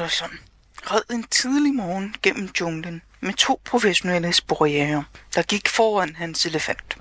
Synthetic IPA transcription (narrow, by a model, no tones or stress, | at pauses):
ɒsɒn | ʁɛð̰ˠe̝nt͡sʰið̞ˠlimɒːn̩ɡ̥en̰m̩dɔ̽ŋd̥ən | met͡sʰo̝̰ːpʰʁo̝feɕo̝neləsb̥oʁieːɐd̥ɑ̈ɡ̥iɡ̥fɒːæn̰ɦænse̝ləfæn̰d̥